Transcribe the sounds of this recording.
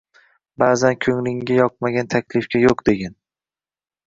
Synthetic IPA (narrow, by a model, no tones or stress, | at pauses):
baːzankʲʰɵŋlɪŋɡʲajɒq̚maɡʲant̪ʰakʲlɪfkʲajoqd̪e̞ɡʲan